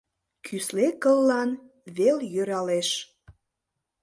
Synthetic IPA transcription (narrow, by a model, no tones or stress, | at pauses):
kʰyslekəlːɑn | βeljøɾɑleʃ